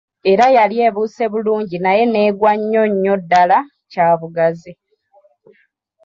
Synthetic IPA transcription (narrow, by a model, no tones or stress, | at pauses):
e̞ɾajalje̞ːβuːse̞βuluːɲɟinaje̞ne̞ːɡwaɲːo̞ɲːo̞dːala | caːβuɡazi